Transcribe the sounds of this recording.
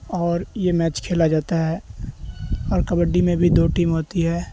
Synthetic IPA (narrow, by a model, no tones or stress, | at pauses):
ɔːɾjemɛːt͡ʃkʰeːlad͡ʒaːt̪aɦɛː | ɔːɾkəbəɖːimẽbʱid̪oːʈiːmɦoːt̪iɦɛː